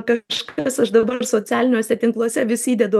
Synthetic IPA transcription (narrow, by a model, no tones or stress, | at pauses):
kɐʃkɐsɐʃd̪ɐbɐrsoːt͡sʲæːlʲɪnʲoːsʲɛt̪ʲɪŋklˠuɔsʲɛʋʲɪsʲiːd̪ʲɛd̪ʊ